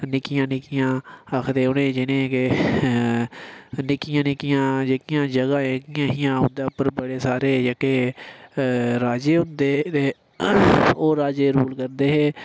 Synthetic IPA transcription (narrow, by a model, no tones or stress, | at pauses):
nɪkɪjãːnɪkɪjãːəkʰd̪eːʊnẽːd͡ʒɪnẽːke | nɪkɪjãːnɪkɪjãːd͡ʒekɪjãːd͡ʒəɡãːẽːkɪjãːɦiːãːʊ̃nd̪aːpəɾbəɽeːsaːɾeːd͡ʒəkeː | ɾaːd͡ʒeːɦʊ̃nd̪eːt̪eː | oːɾaːd͡ʒeːɾuːlkəɾd̪eːɦeː